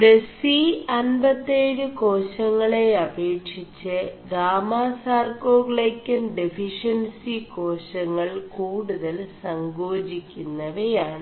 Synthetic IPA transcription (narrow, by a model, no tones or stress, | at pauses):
ɖesiɐnbɐt̪ːeːɻɨkoːɕɐŋːɐɭe̞ɐbeːkʂit͡ɕːɨɡaːmaːsaːrkoːɡɭejkʲːɐnɖefʰiʂɐnsiko̞ːɕɐŋːɐɭkuːɽuðɐlsɐŋɡo̞ːd͡ʑikʲːunːɐʋejaːɳɨ